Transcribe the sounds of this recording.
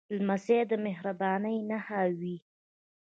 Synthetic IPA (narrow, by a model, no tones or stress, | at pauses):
lmased̪əmɪhɾabɑnəjnahawi